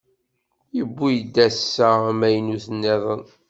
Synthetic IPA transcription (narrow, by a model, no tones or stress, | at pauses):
jəbːujəd̪ːæsːæmæjnuθənːeðˤən